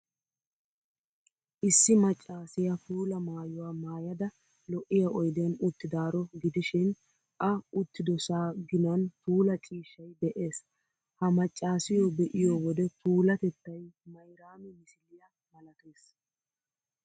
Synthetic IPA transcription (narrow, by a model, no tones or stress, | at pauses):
ʔɪsːɪmɐt͡ʃʼːaːsɪjɐfuːlɐmaːjʊwaːmaːjɐd̪ɐ | lɔʔːɪjɐʔɔjd̪ɛnʊt̪ːɪd̪aːɾɔɡɪd̪ɪʃɪn | ʔɐʊt̪ːɪd̪ɔsaːɡɪnɐnfuːlɐt͡ʃʼiːʃːɐjbɛʔe̞ːs | hɐmɐt͡ʃʼːaːsɪjɔbɛʔɪjɔːwɔd̪ɛfuːlɐt̪ɛt̪ːɐjmɐjɾaːmɪmɪsɪlːɪjɐ | mɐlɐt̪e̞ːs